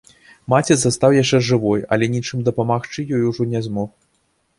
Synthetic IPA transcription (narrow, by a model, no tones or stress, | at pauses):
mat͡sʲɛzast̪awjaʂt͡ʂɛʐɨvɔjɐ̰lʲɛnʲit͡ʂɨmd̪ɐpɐmaxt͡ʂɨjɔjuʐɔnʲɛzmɔx